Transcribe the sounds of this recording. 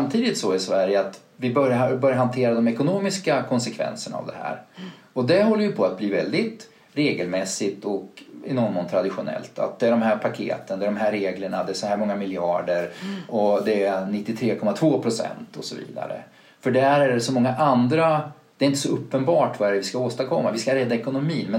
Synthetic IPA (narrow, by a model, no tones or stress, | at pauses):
samt̪ʰiːd̪ɪt̪sɔɪsvæɾjəat̪ | vɪbœɾjabœɾjaɦant̪ʰeːɾad̪ɔmɛkʊnoːmɪskakʰɔnsɛkʰvɛ̰nsəɳa̰a̰vd̪ɛ̰hæ̰ːɾ | ɔd̪ɛɦɔlːəjɵpʰɔat̪̚bliːvɛ̰ld̪ɪt̪ | ɾeːɡəlmɛsːɪt̪ɔkɪ̰nɔnmɔnt̪ʰɾad̪ɪɧʊnɛ̰lt̪ʰa̰t̪̚d̪ɛːɖɔmɦæːɾpʰakʰḛːt̪ənd̪ɛɖɔmɦæɾːeːɡləɳad̪ɛsɔhæːɾmɔŋːamɪljɑːɖəɾɔd̪ɛænɪt̪ːɪt̪ʰɾeːkʰɔmːat̪ʰvoːpʰɾʊsɛ̰nt̪ʰɔsɔvḭːd̪a̰ɾə̰ | fœɖæɾæɖɛsɔmɔŋːaʔand̪ɾa | d̪ɛɾɪnt̪əsɔɵpːənbɑːʈvaæɾɛvɪskaoːst̪aɾkʰɔmːavɪskaɾɛd̪ːaɛkʊnʊmiːnmɛ